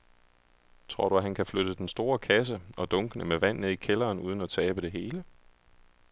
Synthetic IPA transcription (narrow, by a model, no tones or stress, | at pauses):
t͡sʰʁo̝ɐ̰ɾ̥uæɦænkʰæflød̥əd̥ensd̥o̝ːɐkʰæs̬əɒ̽d̥ɔ̽ŋɡ̥ənəmeʋæn̰ne̝ð̰ˠikʰelɐːnuːð̞ˠən̩æt͡sʰɛːb̥əd̥e̝ɦe̝ːlə